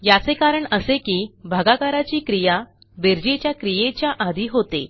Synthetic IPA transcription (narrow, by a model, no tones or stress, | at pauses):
jat͡sekaɾəɳəsekiːbʱaɡakaɾat͡ɕiːkɾija | beɾd͡ʑet͡ɕjakɾijet͡ɕjaʔad̪ʱiːɦot̪ḛ